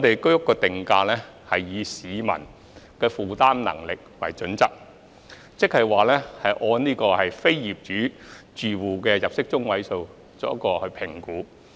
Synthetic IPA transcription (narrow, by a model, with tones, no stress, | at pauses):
ŋɔː˨˧t̪e˨jkɵ˥ɥjʊ˥kːɔː˧t̪ɪ˨ŋkaː˧lɛː˥ | hɐ˨jːiː˨˧siː˨˧mɐ̰˨˩n | kɛː˧fuː˨˩t̪aː˥mnɐ̰˨˩ŋlɪ˨k̚wɐ̰˨˩jt͡ʃɵ˨˥nt͡sɐ˨˥k̚ | t͡sɪ˥k̚hɐ˨˩jwaː˨lɛː˥hɐ˨jʔɔː˧nniː˥kɔː˧hɐ˨jfe˥jjiː˨˩p̚t͡ʃyː˨˥t͡ʃyː˨wuː˨˩kɛː˧jɐ˨p̚sɪ˥k̚t͡sʊ˥ŋwɐ˨˥jso˧w | t͡sɔː˨˥kːɔː˧hɵ˧ɥpʰɪ˨˩ŋkuː˨˥